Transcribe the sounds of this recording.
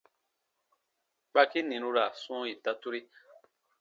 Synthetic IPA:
k͡pa˧ki˦nĩ˨ɾu˧ɾa˨sũ˦ji˨ta˧tu˦ɾi˦

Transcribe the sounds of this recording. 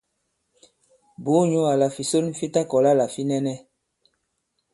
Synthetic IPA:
bo˨˦ɲu˦a˨la˨fi˨so˦n̩˦fi˦ta˦kɔ˨la˦la˨fi˦nɛ˦nɛ˦

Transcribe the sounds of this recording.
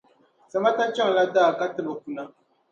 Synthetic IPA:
sa˨ma˦ta˦t͡ʃɛ˦ŋ˨la˦daː˦˨ka˦tɨ˨bɨ˨ku˨na˦

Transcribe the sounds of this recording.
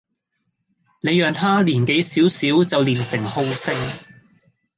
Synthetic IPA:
ne˨˧jːœː˨ŋt̪ʰaː˥liː˨˩nke˨˥jsiː˨˥wsiː˨˥wt͡sɐ˨wliː˨˩nsɪ˨˩ŋho˧wsɪ˥ŋ

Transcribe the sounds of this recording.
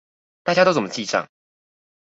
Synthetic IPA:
t̪a˥˩t͡ɕja˥t̪o˥t͡sə˨˩mə˦˥t͡ɕi˥˧ʈ͡ʂɑ̰˥˩ŋ

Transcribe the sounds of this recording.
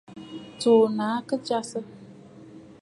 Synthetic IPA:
toː˨naː˨˦kə˦d͡ʒa˦sɨ˦

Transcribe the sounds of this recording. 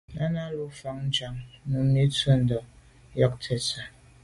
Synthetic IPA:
na˦na˦lo˦fa˨ŋn̩˦d͡ʒa˨ŋ˦nu˨m̩˦ni˦twə˦n̩˨dɔ˨˦ | jɔ˦k̚tʰe˨sa˨

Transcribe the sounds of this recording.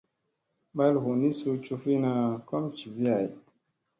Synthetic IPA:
ɓa˦lhu˨ni˦su˧t͡ʃu˧fi˦na˧kɔ˦mt͡ʃi˨vi˦a˨j

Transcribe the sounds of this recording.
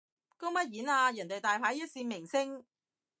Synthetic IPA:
ko˥wmɐ˥t̚jiː˨˥naː˧jœ˨˩nt̪e˨jt̪aː˨jpʰaː˨˥jjɐ˥t̚siː˧mɪ˨˩ŋsɪ˥ŋ

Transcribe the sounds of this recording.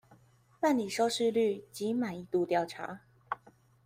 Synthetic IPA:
pa˥˩nli˨˩ʂɑ˥ʊʂɻ̩˥˧ly˥˩t͡ɕi˧˥ma˨˩ni˧˩t̪u˥˧t̪jɑ˥˩ʊʈ͡ʂʰa̰˧˥˦

